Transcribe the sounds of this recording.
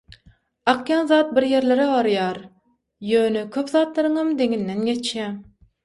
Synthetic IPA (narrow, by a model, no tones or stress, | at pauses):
ɑqʰjɑnzɑːt̪̚biɾje̞ɾle̞ɾebɑɾjɑːɾ | jøːnekʰʲøpzɑːt̪lˠɑɾɯŋɑmd̪e̞ŋinːenɡe̞t͡ʃʰjæŋ